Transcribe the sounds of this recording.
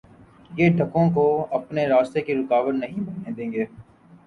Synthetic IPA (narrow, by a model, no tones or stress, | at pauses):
jeːɖʱɐkõkoɐpneɾaːst̪ekiɾʊkaːʋəɾnɐɦĩbɐnẽd̪ẽːŋɡeː